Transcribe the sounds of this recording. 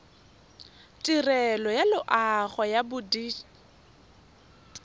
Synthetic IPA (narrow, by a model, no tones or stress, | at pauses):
tʼirɛlɔjalʊʔaχɔjabʊdiː